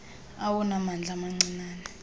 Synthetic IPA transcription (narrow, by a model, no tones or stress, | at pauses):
awunamand͡ɮʱamaŋ͡ǀinaːnɛ